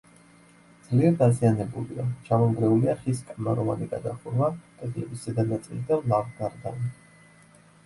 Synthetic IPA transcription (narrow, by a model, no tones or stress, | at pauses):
d̪z̥liɛɾd̪azianɛbuliat͡ʃʰamɔmɡɾɛuliaχiskʼmaɾɔma̰niɡad̪aχuɾmak̪ʼɛd̪ʼlɛbisɛd̪anat̪sʼḭld̪ɛllavɡaɾɡ̪a̰n